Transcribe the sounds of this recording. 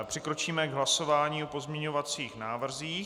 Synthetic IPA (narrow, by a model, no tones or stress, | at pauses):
pr̥ɪkɾo̞t͡ʃiːmɛɡɦlaso̞vaːɲiːopo̞zmɲɛɲo̞vat͡siːxnaːvr̩ziː